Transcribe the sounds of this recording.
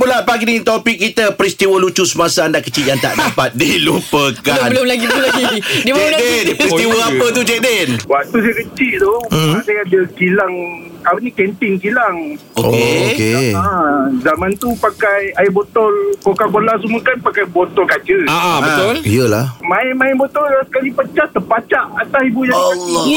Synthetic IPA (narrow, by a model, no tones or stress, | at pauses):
pulapaɡinit̪opikːit̪əpəɾist̪iwəlut͡ʃusəmasaandaʔkət͡ʃiʔjaŋt̪a̰ʔdapat̪̚dilupəkanbəlʊmlaɡibəlʊmlaɡidibd͡ʒɛladɛnist̪iwəapət̪ud͡ʒɛdɛnwaʔt̪us̬ajəkət͡ʃiʔt̪ɔasajadəkilaŋ | apənikɛnt̪ɪŋkilaŋ | ookeokeazamãnt̪upakajajabot̪ɔlkokakolas̬uməkanpakajbot̪ɔlkad͡ʒəaʔabbət̪ʊliəlahmaɪnmajɛnbɔt̪ɔlsə̥kalipət͡ʃaht̪əpat͡ʃaʔat̪asibujaŋ